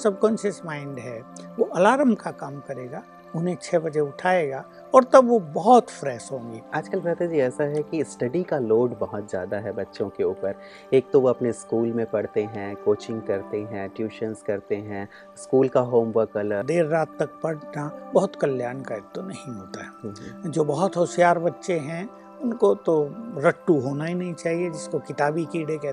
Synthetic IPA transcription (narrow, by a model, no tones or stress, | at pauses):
sɐb̚kɔ̃ːnʃɪsmãːɪ̃ɳɖɦɛʋoʔɐlaːɾəmkakaːmkɐɾeːɡaː | ʊnẽt͡ʃʰɛbɐd͡ʒeʊʈʰaːeːɡaː | ɔːɾt̪ɐbʋobɔɦɔt̪fɾɛːʃɦõːŋɡeːaːd͡ʒkəlbɾaːt̪ad͡ʒiɛːsaɦɛkisʈɐɖikaloːɖbɐɦʊt̪zja̰ːd̪aɦɛbɐtːʃõkeʊːpəɾ | eːk̚t̪oʋoɐpneskuːlmẽpɐɽ̤t̪eɦɛ̃koːt͡ʃɪ̃ŋɡ̚kɐɾt̪eɦɛ̃ʈjuːʃənskɐɾt̪eɦɛ̃ | skuːlkaɦoːmʋəɾkələd̪eːɾːaːt̪ːɐk̚pɐɽnabɐɦʊt̪kɐljaːɾnkaeːk̚t̪onɐɦĩɦoːt̪aɦɛːɦd͡ʒoːbɐɦʊt̪ɦʊʃjaːɾbɐtːʃeɦɛ̃ | ʊnkot̪oɾɐʈːuɦoːnaɦinɐɦĩt͡ʃaːɦied͡ʒɪskokɪt̪aːbikiːɖekɛː